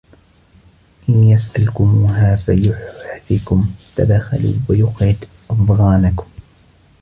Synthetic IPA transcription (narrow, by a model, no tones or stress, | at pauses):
ʔɪnjasʔalkʊmuːɦaːfajʊħħfikʊmt̪ad̪axa̰lṵːwajʊqɾɪd̪ | ʔɑfɣɑːnakʊm